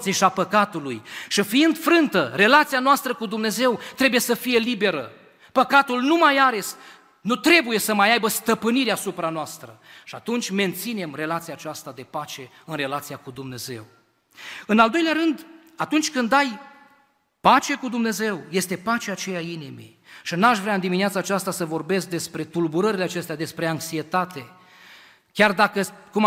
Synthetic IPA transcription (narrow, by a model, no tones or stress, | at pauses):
siʃiapəkat̪ulujʃifiind̪fɾɨnt̪əre̞lat̪sijanoast̪ɾəkud̪umne̞ze̞wt̪ɾe̞buje̞səfije̞libe̞ɾə̰ | pəkat̪ulnumajaɾe̞s | nut̪ɾe̞buje̞səmajajbəst̪əpɨniɾeasupɾanoast̪ɾəʃiat̪unt͡ʃʲme̞nt̪sine̞mre̞lat̪sijaːt͡ʃast̪ad̪e̞pat͡ʃe̞ | ɨnre̞lat̪sijakud̪umne̞ze̞̰w | ɨnald̪o̞jleaɾɨnd̪ | at̪unt͡ʃʲkɨnd̪aj | pat͡ʃe̞kud̪umne̞ze̞wje̞st̪e̞pat͡ʃeat͡ʃe̞jainimḭ | ʃinaʃvɾeaɨnd̪iminiat̪saːt͡ʃast̪asəvo̞rbe̞sk̚d̪e̞spɾe̞t̪ulbuɾəɾileat͡ʃe̞st̪ead̪espɾe̞aŋksie̞t̪at̪e̞ | kʲard̪akəkum